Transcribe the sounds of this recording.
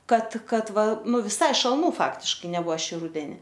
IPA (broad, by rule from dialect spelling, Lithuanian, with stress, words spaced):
ˈkɐt ˈkɐt ˈʋɐ ˈnʊ ʋʲɪˈsɐɪ ʃɐlˠˈnuː ˈfɑːktʲɪʃkɐɪ nʲɛˈbuɔ ˈʃʲiː ˈrʊdʲɛnʲɪ